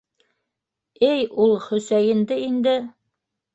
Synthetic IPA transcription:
ɘjulˠχɵ̆sæjɘ̆nd̪ɘind̪ɘ

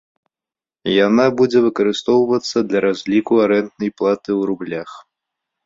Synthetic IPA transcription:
janabud͡zʲɛvɨkɐɾɨst̪ɔwvɐt̪sːɐd̪lʲɐɾazʲlʲikuaɾɛnt̪nɐjplˠat̪ɨwɾublʲax

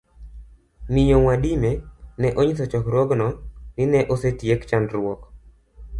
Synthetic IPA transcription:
niɲoŋwadimenɛʔoɲisɔt͡ʃɔkɾɔɡnɔnɪnɛʔosetjekt͡ʃandɾwɔk

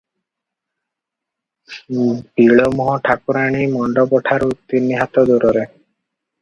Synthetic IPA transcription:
biɭɔmɔɦɔʈʰakuɾaɽ̃imɔɳɖɔbɔʈʰaɾut̪ːinːiɦat̪ɔd̪uɾɔɾe

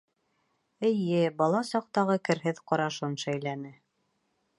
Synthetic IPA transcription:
ɘ̆jɘbɑlˠɑsɑq̚t̪ɑʁɤkɘ̆ɾɦɘðqɑɾɑʃɤnʃæjlænɘ

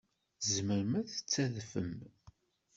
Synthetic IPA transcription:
zməɾəmæθə̥t͡sːæðfə̰m

